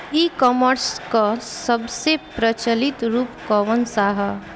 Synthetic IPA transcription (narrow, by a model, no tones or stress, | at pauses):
ikɔməɾskasəbsepɾət͡ʃəlit̪ɾuːpkɔʋənsaɦə